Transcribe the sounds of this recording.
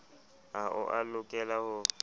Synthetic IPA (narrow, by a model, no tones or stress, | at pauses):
aʔʊ̰ʔalʊkʼɛlahʊ